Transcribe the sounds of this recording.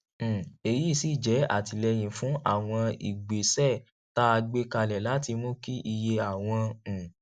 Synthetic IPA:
e˧˨ji˨˦˨si˦˨d͡ʒɛ˨˦a̰˦˨ti˧lɛ˧j̃ĩ˨fũ˨˦a̰˦˨w̃ɔ̃˧ḭ˨ɡ͡be˨sɛ˦˨ | ta˦a˧ɡ͡be˦ka˧lɛ˨la˨˦ti˧mõ˦ki˦ʔi˧je˧a˨w̃ɔ̃˧˨

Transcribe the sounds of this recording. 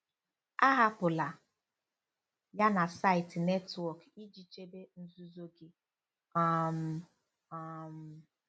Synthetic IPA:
a˦ɦa˦pʊ˨la˨ | ja˦na˨sa˦ɪ˨tne˦twɔ˨ki˦d͡ʒi˨t͡ʃe˦be˦n̩˦zu˦zo˦ɡe˦˨ | m̩˨˦ | m̩˨

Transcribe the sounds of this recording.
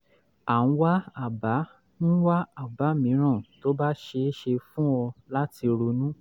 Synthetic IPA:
a˨ñ̩˧˦wa˦a˦˨ba˨˦ | ñ̩˦wa˦a˦˨ba˨˦mĩ˨˦ɾ̃ã˦˨to˦ba˦ʃe˧˦ʃe˧fũ˦ɔ˧la˦ti˧ɾo˧nũ˦

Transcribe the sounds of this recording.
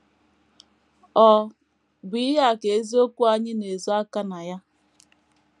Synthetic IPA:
ɔ˨ | ɡ͡bi˦ɦa˦˨ke˨e˦zi˦o˦kʷu˦a˦ɲɪ˦ne˨zo˦a˦ka˦na˨ja˦

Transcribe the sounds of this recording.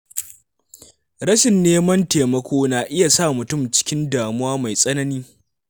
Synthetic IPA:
ɾɐ˦ʃɪ˨nːeː˦mɐ˦nteː˨mɐ˦kʷʰoː˦naː˨ʔɪ˦ja˨saː˦˨mʊ˨tʊ˦˨mt͡ʃɪ̥˦kʲɪ˦ndaː˨mʊ˦waː˦ma˨jsʼɐ˦nɐ˦niː˦

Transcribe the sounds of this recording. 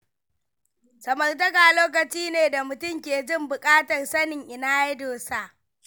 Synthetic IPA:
sɐ˨mɐ˨rt̬ɐ˦kaː˨loː˦k̬ɐ˨t͡ʃiː˦neː˨da˨mʊ˨tʊ˦˨mkʲeː˨d͡ʒɪ˦mbʊ˨kʼaː˦tɐ˨rsɐ˦nɪ˨ŋʔɪ˨naː˦je˦doː˨sa˦ʔ

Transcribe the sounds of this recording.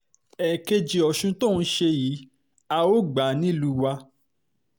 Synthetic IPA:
ɛ˨ke˧d͡ʒi˨ɔ˨ʃũ˧to˦˨n̩˦ʃe˧jiː˨˦ | a˧o˦ɡ͡ba˨˦nĩ˦lu˧˦wa˧

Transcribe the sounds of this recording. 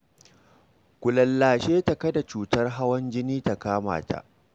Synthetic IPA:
kʷʊ˨lɐ˨lːaː˨ʃeː˦tɐ˨kɐ˦da˨t͡ʃuː˨tɐ˦rɦa˦wɐ˦nd͡ʒɪ˦niː˦ta˨kaː˦ma̰ː˨ta̰˨ʔ

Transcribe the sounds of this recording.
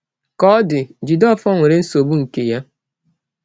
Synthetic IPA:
kɔ˦dɪ˨d͡ʒi˨dɔ˦˨fɔ˦ŋʷe˨ɾe˦n̩˦so˨bu˦ŋ̩˨ke˨ja˦

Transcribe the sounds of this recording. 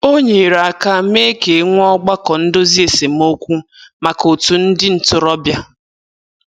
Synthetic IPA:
o˦ɲe˨ɾa˨a˨ka˦me˦ke˨˦ŋʷ˦ɔ˦ɡ͡ba˦kɔ˨n̩˦do˦zi˦e˨se˨m˦o˦kʷu˦ma˨ko˨tu˨n̩˦dɪ˦n̩˨tʊ˨ɾɔ˦bja˦

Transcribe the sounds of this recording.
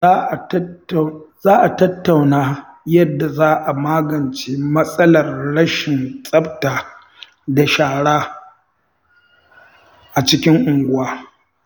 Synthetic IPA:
a˦˨˦ | zaː˦ʔa˨tɐ˦tːa˨wnaː˦jɐ˦dːa˨zaː˦ʔa˨maː˦ɡɐ˨nt͡ʃeː˦mɐ˦sʼɐ˦lɐ˨rɽɐ˦ʃɪ˨nsʼɐ˦btaː˨ | da˨ʃaː˨ɽaː˦ | ʔa˨t͡ʃɪ˦kʲɪ˦ŋʔʊ˨ŋɡʷʊ˦waː˦

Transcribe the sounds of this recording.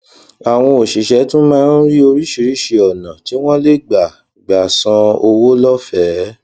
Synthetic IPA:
a˨w̃ɔ̃˧o˨ʃi˨ʃɛ˨˦tũ˦mãː˦n̩˦ɾi˦o˧ɾi˦ʃi˧ɾi˦ʃe˧ɔ˨nã˨ti˨˦w̃ɔ̃˦le˦ɡ͡ba˨ | ɡ͡ba˨sã˧o˧wo˦lɔ˦fɛ˨˦

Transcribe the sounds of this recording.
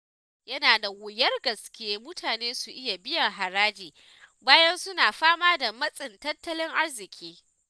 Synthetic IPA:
jɐ˦naː˨da˨wʊ˨jɐ˦rɡɐ˨skʲɪ˦jeː˦mʊ˦tʰaː˨neː˦su˨ʔɪ˦ja˨bɪ˦jɐ˨ŋɦa˨ɾaː˦d͡ʒiː˨ | baː˦jɐ˦nsʊ˦naː˨ɸaː˦maː˦da˨mɐ˦sʼɪ˨ntɐ˦tːɐ˦lɪ˦ŋʔa˦rzɪ˨kʲʰiː˦

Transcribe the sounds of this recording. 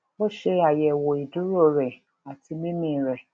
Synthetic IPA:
o˦ʃe˦a˨jɛ˨wɔ˨i˨du˦ɾo˦˨ɾɛ˨ | a˨ti˦mĩ˦mĩ˨ɾɛ˨

